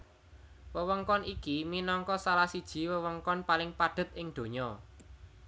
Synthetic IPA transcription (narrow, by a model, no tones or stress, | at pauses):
wəwəŋkɔnʔikiminɔŋkɔsalasid̥ʒ̥i̤wəwəŋkɔnpalɪŋpadɖ̥ə̤t̪̚ʔɪŋd̪̥o̤ɲɔ